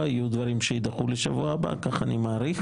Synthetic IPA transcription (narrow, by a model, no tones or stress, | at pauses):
ajud̪vaɾimʃeid̪aχuleʃavuaba̰kaχanimaːɾiχ